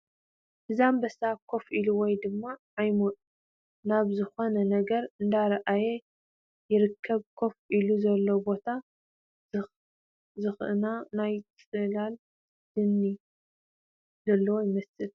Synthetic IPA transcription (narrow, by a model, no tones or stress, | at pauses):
hɨzambɐsakʰo̞fʔiluwɔjd̪ɨmːaʕajmot̪ʼ | naβzɨxonɐnɐɡɐɾɨnd̪aɾɐʔaje | jɪɾɨkʰːɐβkʰo̞fʔiluzɐlːobo̞t̪ʰa | zɨxʔɨnanajt͡sʼɨlal | dɨnːi | zɐlːɐwojɪmɐsɨl